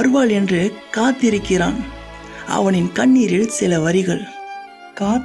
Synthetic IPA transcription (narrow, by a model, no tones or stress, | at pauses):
ɐɾɯʋaːɭɛndrɯkaːt̪ːɪɾɯkːɪɾa̰ːn | ɐ̰ʋɐnɪnkɐɳːiːɾɪɭsɪlɐʋɐɾɪɣɐɭ | kaː